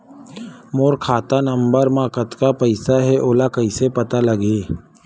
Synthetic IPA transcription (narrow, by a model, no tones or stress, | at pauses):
moːɾkʰaːt̪anɐ̃mbəɾmãkət̪kapɐɪsaɦɛʔoːlakɐisepɐt̪alɐɡeː